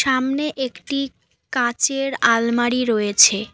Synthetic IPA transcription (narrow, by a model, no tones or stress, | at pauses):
ʃamneʔekʈi | kãt͡ɕeɾalmaɽiɾojet͡ɕʰe